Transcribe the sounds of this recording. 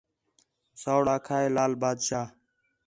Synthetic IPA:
saːwɽaːkʰaːeːlaːlbaːd̪ɕaː

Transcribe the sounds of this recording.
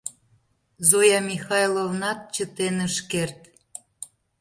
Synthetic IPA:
zojɑmʲixɑjlˠovnɑt̪̚t͡ɕət̪enəʃkert̪

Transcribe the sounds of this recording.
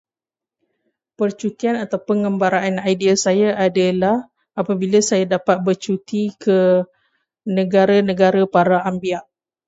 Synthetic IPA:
pərt͡ʃut̪ianat̪awpəŋɡəmbaɾaanajdiasajaʔadalah | apabilasajadapat̪̚bərt͡ʃut̪ikə | nə̃ɡaɾanə̃ɡaɾapaɾaambiaʔ

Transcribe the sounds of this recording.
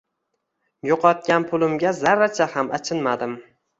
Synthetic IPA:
joqʰɒt̪̚ɡʲanpʰʊlˠɪmɡʲazaɾat͡ʃʰahamat͡ʃʰɪnmad̪ɪm

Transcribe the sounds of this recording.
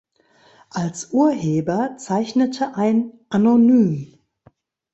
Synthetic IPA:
ʔalsʔuːɐheːbɐt͡saɪçnətʰəʔaɪnʔanonyːm

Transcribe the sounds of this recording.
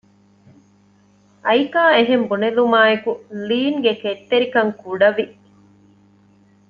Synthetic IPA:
ʔɐjikaːeɦembunelumaːekuliːŋɡeket̪ːeɾikɐŋkuɖɐʋi

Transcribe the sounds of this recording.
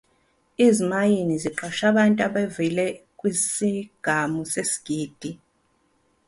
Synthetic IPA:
izimajiniziǃɔʃaɓantʼaɓevilɛkʼwisiɡ̥ʱamusesi̥ɡ̥ʱiːd̥ʱi

